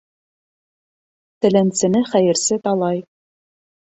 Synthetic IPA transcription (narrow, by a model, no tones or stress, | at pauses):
t̪ɘ̆lænsɘ̆nɘχæjɘ̆ɾsɘt̪ɑlˠɑj